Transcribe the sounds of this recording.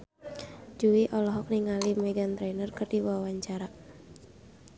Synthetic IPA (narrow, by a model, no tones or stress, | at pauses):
d͡ʒuiʔɔlɔɦɔk̚niŋalimɛɡant̪ɾɛnərkɨrdiwawaɲt͡ʃaɾa